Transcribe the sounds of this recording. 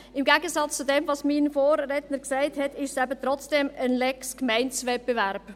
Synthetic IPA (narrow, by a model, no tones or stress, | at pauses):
ɪmɡæɡəsɑt͡st͡sudɛmvɑsminfoːɾːetnəksæɪthɛtɪʃsæbət̪ɾɔt͡sd̥ɛmənlɛkskmæɪnt͡sʋɛp̚peʋæɾb̥